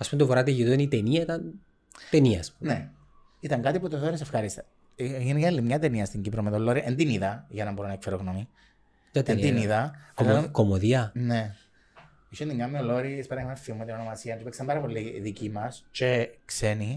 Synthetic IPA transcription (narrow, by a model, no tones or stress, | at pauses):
ɐspumet̪ovoɾɐt̪eʝit̪oɐnit̪eniɐit̪ɐn | t̪eniɐːspumne | it̪ɐŋkɐt̪iput̪oθoɾisefxɐɾist̪ɐ̥ | ʝenikɐlːimɲɐt̪eniɐst̪iɲɟipɾomet̪olːoɾiʔend̪iniðɐʝɐnɐmboɾonɐekfeɾoɣnomi | t̪end̪iniðɐ | komoðiɐne | iʃenimɲɐmːioloɾispeɾɐmeffiumet̪inono̞mɐsiɐnt̪upiksɐmbɐɾɐpo̞liðicimɐst͡ʃekseni